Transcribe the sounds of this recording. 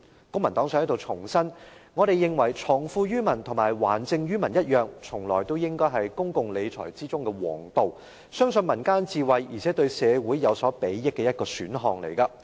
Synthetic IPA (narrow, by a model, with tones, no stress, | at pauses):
kʊ˥ŋmɐ˨˩nt̪ɔː˨˥ŋsœː˧ŋhɐ˨˥jt̪o˨wt͡sʰʊ˨˩ŋsɐ˥nŋɔː˨˧ɾe˨jːɪ˨ŋwɐ˨˩jt͡sʰɔː˨˩ŋfuː˧ɥyː˥mɐ˨˩nt̪ʰʊ˨˩maː˨˩jwaː˨˩nt͡sɪ˧ŋɥyː˥mɐ˨˩njɐ˥t̚jœː˨ŋt͡sʰʊ˨˩ŋlɔː˨jt̪o˥wjɪ˥ŋkɔː˥jɦɐ˨jkʊ˥ŋkʊ˨ŋle˨˧jt͡sʰɔ̰ː˨˩jt͡siː˥t͡sʊ˥ŋkɛ˧wɔ̰ː˨˩ŋt̪o˨w | sœː˥ŋsɵ˧nmɐ˨˩nkaː˥nt͡siː˨˧wɐ˨jːiː˨˩t͡sʰɛː˨˥t̪ɵ˧ɥsɛː˨˧wuː˨˥jːɐ˨˧wsɔː˨˥pe˨˥jːɪ˥kːɛː˧jɐ˥t̚kɔː˧syː˨˥nɦɔː˨ŋlḛ˨˩jkɐ˧